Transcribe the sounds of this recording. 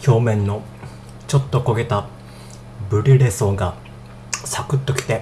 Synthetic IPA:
ço̞ːmẽ̞nːo̞ | t͡ɕo̞t̪ːo̞ko̞ɡe̞t̪a | bɯ̟ɾʲiɾe̞so̞ːɡa | sakɯ̟t̪ːo̞kʲi̥t̪e̞

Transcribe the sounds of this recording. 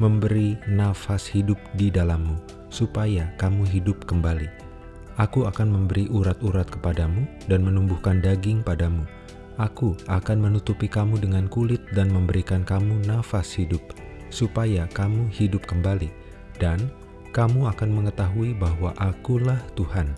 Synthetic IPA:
məmbəɾinafashidʊp̚didalamːu | supajakamuɦidʊp̚kəmbali | ʔakuakanməmbəɾiʔuɾat̪uɾat̪̚kə̥padamu | danmənumbuhkandaɡɪŋpadamu | ʔakuakanmənut̪upikamudəŋankulɪt̪̚danməmbəɾikankamunafashidʊp̚ | supajakamuhidʊp̚kəmbali | dan | kamuakanməŋət̪aɦuibaɦwaʔakulaht̪uhan

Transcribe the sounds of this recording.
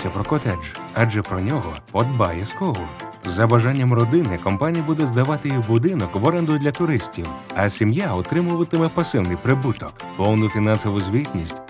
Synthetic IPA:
sʲɐpɾɔkɔt̪ɛd͡ʒ | ɐd͡ʒɛpɾɔnʲɔɦɔpɔd̪bajɛskɔɦʊ | zɐbɐʒanʲːɐmrɔd̪ɪnɪkɔmpanʲijɐbud̪ɛzd̪ɐʋɑt̪ɪjibʊd̪ɪnɔkʋɔɾɛnd̪ʊd̪ʲlʲɐt̪ʊɾɪsʲtʲiwɐsʲimjaɔt̪ɾɪmʊʋɐt̪ɪmɛpɐsɪwnɪjpɾɪbut̪ɔk | pɔwnʊfʲinɑnsɔʋʊzʲʋʲit̪ʲnʲisʲtʲ

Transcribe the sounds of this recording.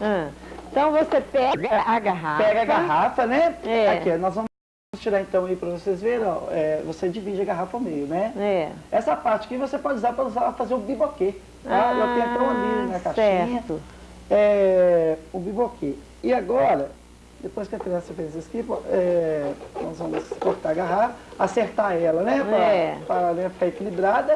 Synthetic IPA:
ɐ̃ẽt̪ɐ̃w̃vosepɛɡɐaɡaɦapɛɡɐaɡaɦafɐnɛɛakiɛnɔzvɐ̃m | ʊst͡ʃiɾaɾẽnt̪ɐ̃w̃ɐipɾɐvosezveɾɐ̃ɛvosed͡ʒivid͡ʒɪɐɡaɦafɐomejʊnɛɛɛsɐpaɾt͡ʃɪɐkivosepɔd͡ʒuzapɾɐuzaɐfazeɾʊbiboke | aakẽɐp̪ɾõãnejʊnɛɐkaʃɛĩɲɐʊ | ɛ | ʊbibokʰe | ɪaɡɔɾɐ | d̪epojskɪɐt̪ɾẽɐ̃sefẽzɐskipɐɛ | nɔzvɐ̃mʊskõɾt̪aɡaɦaɐaseɾt̪aɛlɐnɛɾɐpaanɛ̃fi̥kaɾekilibɾad̪ɐ

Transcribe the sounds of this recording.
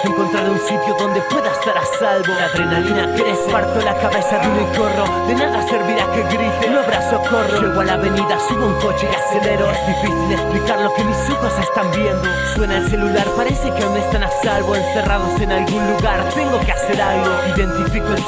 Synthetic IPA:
eŋkont̪ɾaɾunsit̪joðond̪epweðaest̪aɾasalβoaðɾenalinakeespaɾt̪olakaβaesaðimekoro | ðenaðaseɾβiɾakeɣɾit̪enoaβɾasakoroleɣwalaβeniðasuβeuŋkot͡ʃeðaseleɾoezðifiθild̪esplikaɾlokemisukasest̪ambjend̪oswenaelselulaɾpaɾesekeond̪est̪anasalβoenseraðoseenalɣunluɣaɾt̪eŋɡokeaseɾalɡoiðẽnt̪ifiko

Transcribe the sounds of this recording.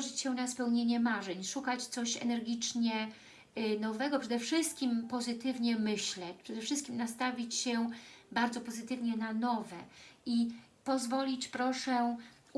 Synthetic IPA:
ʐɘt͡ɕɕɛnaspɛwɲeɲɛmaʐɛɲʂukat͡ɕt̪sɔɕɛ̰nɛɾɡʲit͡ʂɲɛ | nɔvɛɡɔpʂɛd̪ɛfʂɘst̪̚kʲimpɔzɘt̪ɘvɲɛmɘɕlɛt͡ɕpʂɛd̪ɛfʂɘst̪̚kʲimnast̪avʲit͡ɕɕɛbaɾd̪zɔpɔzɘt̪ɘvɲɛnanɔvɛi | pɔzvɔlʲit͡ɕpɾɔʂɛ

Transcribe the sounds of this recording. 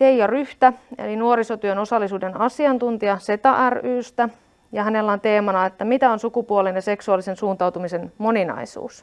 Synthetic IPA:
t̪eijɑryht̪æḛlinuoɾisot̪yøno̞sɑlːisuːdenɑsiɑnt̪unt̪iɑse̞t̪ɑʔæryːst̪æ | jɑhæne̞lːæont̪e̞ːmɑnɑet̪ːæmit̪æonsukupuolenjɑse̞ksuɑlːˑisensuːnt̪ɑwt̪umise̞nmo̞ninɑ̰isṵːs

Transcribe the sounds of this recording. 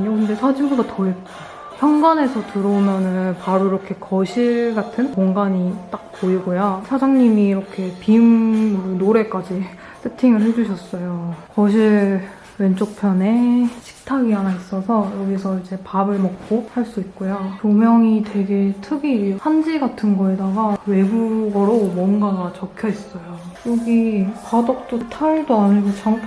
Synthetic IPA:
ɲokɯnde̞sʰad͡ʑimbudatʌep̚k͈a | pʰjʌŋɡane̞sʰʌtɯɾʌmjʌnɯnpaɾuiɾʌkʰe̞kʌɕʰiɭɭɡatʰɯnkoŋɡaɲit͈ak̚poiɡojasʰad͡ʑaŋɲimiːɾʌkʰe̞pimnoɾe̞k͈ad͡ʑi | sʰetʰiŋɯɭɦe̞d͡ʑuɕʰʌs͈ʌjokʌɕʰiɭ | we̞nt͡ɕ͈ok̚pʰjʌne̞ɕʰi̥k̚tʰaɡiɦanais͈ʌsʰʌjʌɡisʰʌid͡ʑe̞pabɯɭmʌk̚k͈ohaɭs͈uit̚k͈ojotomjʌŋitwe̞ɡe̞tʰɯɡihand͡ʑiɡatʰɯnɡʌedaɡawe̞ɡuɡʌɾomwʌnɡaɡt͡ɕʌkʰjʌis͈ʌjojʌɡikadʌk̚t͈otʰaɭdoaɲiɡot͡ɕaŋ

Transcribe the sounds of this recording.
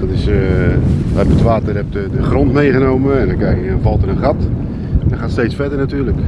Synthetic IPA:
dɔtɪs | ʋəɛbəətʋaːtədɛp̚dədəχrontmejɣənoːməɛndɔnkɛjkɪkdɔnvɑlˠtərənχat | dɔχaːtstejt͡sfɛdərnatyːlək

